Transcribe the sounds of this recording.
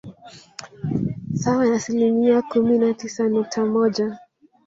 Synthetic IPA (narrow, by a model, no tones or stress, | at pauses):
sawajaːsilimiakuminatisanuk̚tʰamɔʄa